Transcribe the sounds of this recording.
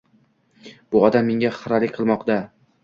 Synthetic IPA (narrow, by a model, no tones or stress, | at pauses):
b̥ʊɒd̪amːeŋʲaχɨɾalɪkʲqʰɨlˠmɒqd̪a